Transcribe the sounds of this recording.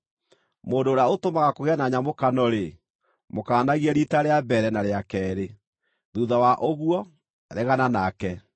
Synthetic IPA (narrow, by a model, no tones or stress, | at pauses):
moːndoːɾeaotomaɣakoɣɛnaɲamokanɔɾe | mokaːnaɣiɛɾitaɾeabɛɾɛnaɾeakɛːɾe | ðuːðawaʔoɣwɔ | ɾeɣananakɛ